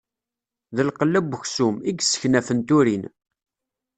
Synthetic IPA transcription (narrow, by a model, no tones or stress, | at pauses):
ðəlqəlːæbəçsumiɡsə̥çnæfənt̪ʊɾin